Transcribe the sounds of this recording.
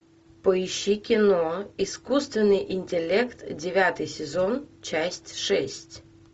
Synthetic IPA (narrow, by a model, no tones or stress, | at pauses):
pɔiɕːikʲɪnoiskust̪vʲɪnːɨjʔɪnʲtʲɪlʲɛkt̪dʲɪvʲat̪ɨjsʲɪzont͡ɕasʲtʲʂɛsʲtʲ